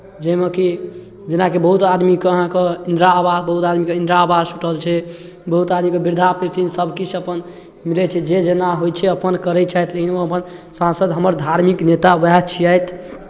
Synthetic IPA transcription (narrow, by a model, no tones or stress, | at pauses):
d͡ʒəmeki | d͡ʒenakebəɦut̪ad̪mikeəɦãkeind̪ɾaːbasbəɦut̪ad̪mikeĩnd̪ɾaːbassuʈəlt͡ʃʰɛ | bəɦut̪ad̪mikebiɾd̪ʱapet̪ʰinsəbʱkit͡ʃʰəpən | milɛt͡ʃʰɛd͡ʒed͡ʒenaɦojt͡ʃʰɛəpənkəɾɛt͡ʃajt̪ʰlekʰinoəpənsãnsəd̪ɦəməɾd̪ʱaɾmiknet̪abɛt͡ʃʰiajt̪ʰ